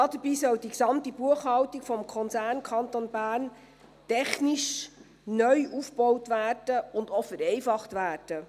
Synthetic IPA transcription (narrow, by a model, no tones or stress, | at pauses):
ɑːdəbiːsœwd̥iksɑmtibuəχhɑwtikfɔmkʰɔnt͡sæːɾnkʰɑntonbæːrn | tɛχnɪʃ | nœʏufb̥ɔwtʋæːrd̥əʊndofəɾɛɪfɑχtʋæːrd̥ə